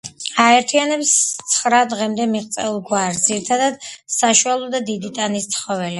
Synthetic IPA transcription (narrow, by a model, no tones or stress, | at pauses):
aɛɾt̪ʰianɛpst̪sʰχɾad̪ʁɛmd̪ɛmiʁt̪sʼɛulˠɡwaɾsd̪ziɾit̪ʰad̪ad̪̥saʃualˠɔd̪ad̪id̪it̪ʼanist̪sʰχɔvɛli